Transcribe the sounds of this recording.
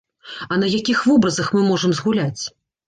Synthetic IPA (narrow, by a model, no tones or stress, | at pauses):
ɐnɐjakʲixvɔbɾɐzɐxmɨmɔʐɐmzɣulʲat͡sʲ